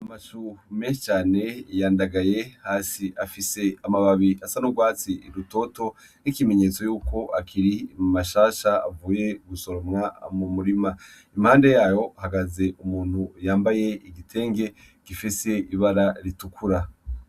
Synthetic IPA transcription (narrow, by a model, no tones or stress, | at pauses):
amaʃumet͡ʃaːne̞jaːndaɡaje̞haːsiʔafise̞amaβaβiasanuɡwaːt͡siiɾuto̞to̞ | nikimeɲe̞t͡so̞juːko̞ʔakʰiɾimaʃaːʃa̰ːvuːje̞ɡuso̞ɾomŋamumuɾima | imhaːnde̞jaːjo̞ahaɡaze̞ʔumuːn̥hujaːmbaje̞iɡitʰe̞ːŋɡe̞ | kifise̞iβaɾaɾitukʰuɾa